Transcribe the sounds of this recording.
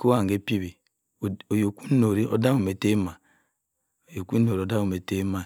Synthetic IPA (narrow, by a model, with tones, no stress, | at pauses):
ko˦a˦˨ŋ˨ɡe˦pi˦βi˨ | o˨jo˨ku˦no˨ɾi˦o˨da˦u˨me˨te˦ma˨ | o˨jo˨kʷu˦o˨ɾi˨o˨da˦u˨me˨te˦ma˨